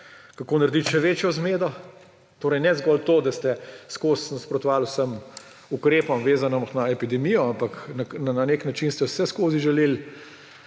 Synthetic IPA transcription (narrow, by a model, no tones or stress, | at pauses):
kakoːnaɾd̪iʃɛʋeːt͡ʃjɔzmeːd̪ɔ | t̪oːɾɛjnɛzɡɔlt̪oːd̪ast̪ɛskoːsnaspɾɔt̪ɔʋaːlusəm | ukɾeːpɔmʋeːzanɔmnaɛpid̪ɛmijɔampaknanananeknat͡ʃinst̪ɛwsɛskoːziʒɛleːl